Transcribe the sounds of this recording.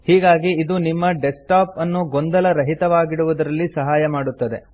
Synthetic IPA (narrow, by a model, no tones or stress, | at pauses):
hiːɡaːɡiːd̪unimːɐɖesʈaːpɐnːuɡond̪ɐlɐɾɐɦit̪ɐʋaːɡiɽuʋud̪ɐɾɐlːisɐɦaːjɐmaːɽut̪ːɐd̪e̞